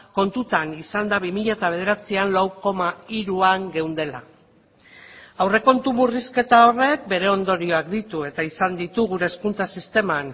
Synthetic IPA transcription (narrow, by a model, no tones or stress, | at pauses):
ko̞nt̪ut̪anisand̪aβimiʎat̪aβ̞e̞ð̞e̞ɾat͡sianlawko̞maiɾuaŋɡe̞wnd̪e̞la̰ | awre̞ko̞nt̪umuriske̞t̪ao̞re̞k̚be̞ɾe̞o̞nd̪o̞ɾio̞akd̪it̪ue̞t̪aisand̪it̪uɣuɾe̞ːskunt͡sasist̪e̞man